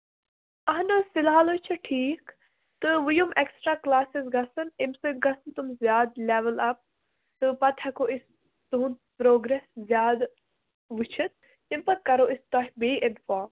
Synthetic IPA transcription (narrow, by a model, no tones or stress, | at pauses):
ɐɦnɨfɪlɦaːlot͡ʃʰɐʈʰiːk | t̪ɨʋujumeksʈɾaːklaːsizɡɐsɨnɪmsɨt̪̚ɡɐsɨnt̪umzjaːd̪leːʋəlɐp̚ | t̪ɨpɐt̪ʰhɐkoːʔis | t̪uɦnpɾoːɡɾeszjaːd̪ | ʋut͡ʃʰit̪̚ | impɐt̪̚kɐɾoːʔist̪ɔːɦbeːɪnfaːm